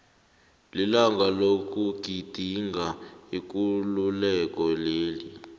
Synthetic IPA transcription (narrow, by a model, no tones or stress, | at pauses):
lilaŋɡalok̬ʼuɡ̥ʱid̥ʱiŋɡʱaik̬ʼululɛk̬ʼɔleːli